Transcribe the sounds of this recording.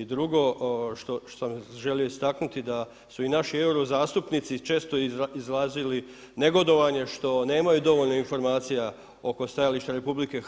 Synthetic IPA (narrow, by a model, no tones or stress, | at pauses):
id̪ɾuɡo̞ʃt̪oo̥samʒe̞lijo̞ist̪aknut̪id̪a | suinaʃie̞wɾo̞zaːst̪upnit̪sit͡ʃe̞ːst̪o̞izlaːzili | ne̞ɡo̞d̪o̞ʋaɲe̞ʃt̪o̞ne̞ːmajud̪o̞ʋo̞ʎnoinfo̞ɾmaːt̪sija | o̞ko̞st̪ajaliʃt̪aɾe̞publike̞